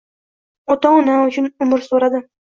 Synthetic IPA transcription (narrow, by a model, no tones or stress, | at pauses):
ɔt̪ɒnaʊt͡ʃʰʊnʊmɾsoɾad̪ɪ